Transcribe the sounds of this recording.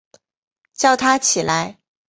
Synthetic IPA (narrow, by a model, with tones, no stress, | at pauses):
t͡ɕjɑ˥˩ʊt̪ʰa˥t͡ɕʰi˨˩la˧˥ɪ